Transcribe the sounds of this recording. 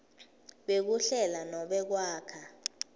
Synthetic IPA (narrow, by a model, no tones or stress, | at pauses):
ɓek̬uɬɛlanɔɓɛk̬waːkʰa